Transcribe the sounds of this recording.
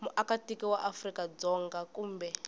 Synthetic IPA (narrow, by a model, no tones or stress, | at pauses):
muʔakatikiwaʔafrikad͡zɔŋɡakuːmbɛ